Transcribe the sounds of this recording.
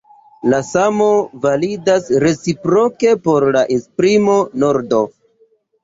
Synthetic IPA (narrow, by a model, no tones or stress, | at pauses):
lasamo̞validasɾe̞t͡sipɾo̞ke̞po̞ɾlaʔespɾimo̞no̞ɾdo̞